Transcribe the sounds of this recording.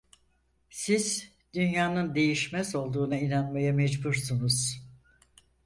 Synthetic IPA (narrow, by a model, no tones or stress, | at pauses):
siz̥ | d̪ynjaːnɯnd̪e̞jiʃmɛzo̞lˠd̪uːnainanmajamɛd͡ʒbuɾsunuz̥